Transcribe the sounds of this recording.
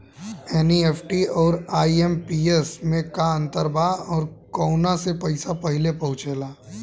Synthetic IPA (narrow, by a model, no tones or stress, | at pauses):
ɛːnieːpʰʈiɔːɾaːiempiesmẽkaə̃nt̪əɾbaɔːɾkɔːʊnasepɐɪsapɐɦɪlepɐɦʊ̃t͡ʃeːlaː